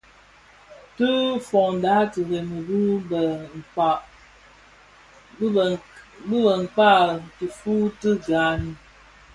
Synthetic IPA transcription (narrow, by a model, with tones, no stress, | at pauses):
tə˦fɔ˨ŋn˨da˨˦tə˨ɣe˨mə˨bu˦bə˨ŋ̩˨ka˨ʔ | bə˦bə˨ŋ̩˨k͡pa˦ti˨fu˦tə˦ɡa˨ni˨